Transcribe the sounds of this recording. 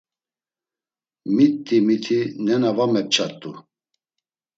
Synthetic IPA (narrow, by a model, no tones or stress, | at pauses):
mit̪ʼːimit̪ʰinɛnavamɛp̚t͡ʃʰʼat̪ʼːṵ